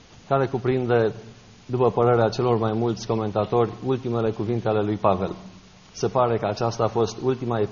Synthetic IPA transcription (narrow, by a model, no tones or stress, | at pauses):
kaɾekupɾind̪e̞ | d̪upəpəɾe̞ɾeat͡ʃe̞lo̞rmajmult̪sʲko̞me̞nt̪at̪o̞rʲult̪ime̞le̞kuvint̪eale̞lujpave̞̰l | se̞paɾe̞kəat͡ʃast̪aːfo̞st̪ult̪imae